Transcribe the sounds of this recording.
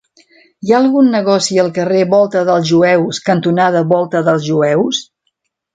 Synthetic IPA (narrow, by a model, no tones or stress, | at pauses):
jaəlˠɣunːəɣɔsiəlˠkəreβɔlˠt̪əðəlˠzʒuɛwskənt̪unaðəβɔlˠt̪əðəlˠzʒuɛws